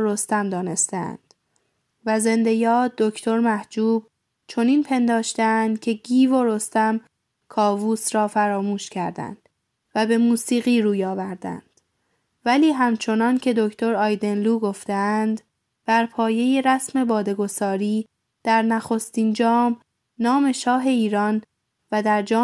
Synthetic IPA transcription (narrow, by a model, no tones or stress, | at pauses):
ɾo̞st̪æmd̪ɒːne̞st̪ææ̰nd̪̥ | væze̞nd̪e̞jɒːd̪o̞kʰt̪ʰo̞ɾmæhd͡ʒuːb̥ | t͡ʃʰo̞niːnpʰe̞nd̪ɒːʃt̪eænd̪̥cʰe̞ɡiːvoɾo̞st̪æm | kʰɒːvuːsɾɒːfæɾɒːmuːʃcʰæɾd̪æ̰nd̪̥ | væbe̞muːsiːɣiːɾuːjɒːvæɾd̪æ̰nd̪̥ | væliːɦæmt͡ʃʰo̞nɒncʰe̞d̪o̞kʰt̪ʰo̞ɾɒːjd̪e̞nluːɡo̞ft̪eænd̪ | b̥æɾpʰɒːje̞je̞ɾæsme̞bɒːd̪e̞ɡo̞sɒːɾiː | d̪̥æɾnæxo̞st̪ind͡ʒɒːm | nɒːme̞ʃɒːɦe̞iːɾɒːn | væd̪æɾd͡ʒɒː